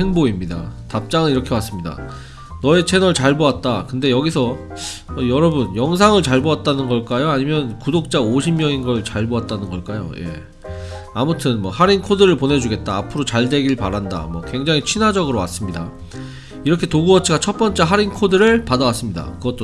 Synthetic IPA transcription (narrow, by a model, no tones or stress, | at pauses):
heŋboimɲida̰tap̚t͡ɕ͈aŋɯniɾʌkʰe̞was͈ɯmɲida̰ | nʌe̞t͡ɕʰe̞nʌɭt͡ɕaɭboat̚t͈akɯnde̞jʌɡisʰʌ | ʌjʌɾʌbɯnjʌŋs̬ʰaŋɯɭt͡ɕaɭboat̚t͈anɯnɡʌɭk͈ajoaɲimjʌnkudok̚t͡ɕ͈aoɕʰimɲjʌŋinɡʌɭt͡ɕaɭboat̚t͈anɯnɡʌɭk͈ajo̰je̞̰ | amutʰɯnmwʌhaɾinkʰodɯɾɯɭpone̞d͡ʑuɡe̞t̚t͈aːpʰɯɾot͡ɕaɭde̞ɡiɭpaɾanda̰mwʌkwe̞ŋd͡ʑaŋit͡ɕʰinɦad͡ʑʌɡɯɾowa̰s͈ɯmɲida̰ | iɾʌkʰe̞toɡuʌt͡ɕʰiɡat͡ɕʰʌt̚p͈ʌnt͡ɕ͈eɦaɾinkʰodɯɾɯɭpadawas͈ɯmɲida̰kɯɡʌt͈o